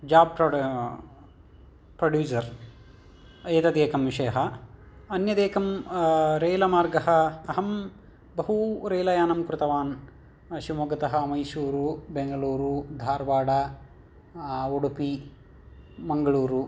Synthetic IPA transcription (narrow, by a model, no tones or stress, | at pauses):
d͡ʒaːb̚ | pɾoɖjuːsɐɾ | ɐjɐt̪ɐd̪eːkɐmʋiʃɐjɐɦɐɐnjɐd̪eːkɐmɾeːlɐmaːɾɡɐɦɐ̆ːɦɐm | bɐɦuɾeːlɐjaːnɐmkɾɪt̪ɐʋaːn | ʃimuɡɐt̪ɐɦɐmɐjsuːɾubeŋɡɐɭuːɾud̪ʱaːɾʋaːɽɐ | oɽupi | mɐŋɡɐɭuːɾu